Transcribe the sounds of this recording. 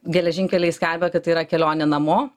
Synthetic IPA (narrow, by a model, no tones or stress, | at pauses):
ɡʲɛlʲɛʒʲɪŋʲkʲɛlʲɛɪsʲkʲɛlʲbʲɛkɐt̪ːɐiːɾɐkʲɛlʲoːnʲɛnɐmoː